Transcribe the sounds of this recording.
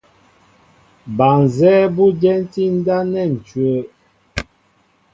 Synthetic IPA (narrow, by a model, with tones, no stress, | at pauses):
ba˨n˨zɛː˦bu˦d͡ʒɛ˦n˦ti˦n̩˦da˦nɛ˦˨n̩˨t͡ʃɥə˨˦